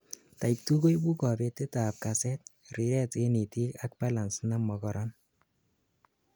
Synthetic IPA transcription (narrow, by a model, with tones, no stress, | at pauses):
ta˨ik̚tu˦ko˦jbu˦kɔ˨be˧te˦ta˨p̚kasɛ˦t̚ | ri˨ɾɛ˦te˦ni˨ti˦ka˦k̚pa˦la˨nsna˦mɔ˨kɔ˨ɾɔn